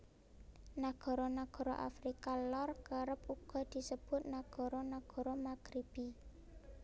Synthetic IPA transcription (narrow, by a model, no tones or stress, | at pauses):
naɡ̥ɔ̤ɾɔnaɡ̥ɔ̤ɾɔʔa̰fɾikalɔrkəɾəpuɡ̥ɔ̤d̪̥i̤səb̥ʊt̪̚naɡ̥ɔ̤ɾɔnaɡ̥ɔ̤ɾɔmaɡ̥ɾib̥i